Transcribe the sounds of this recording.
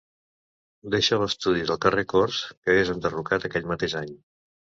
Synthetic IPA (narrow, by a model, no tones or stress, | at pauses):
d̪eʃələst̪uðiðəlˠkərekorskəezənd̪ərukat̪əkɛʎmət̪eʒaɲ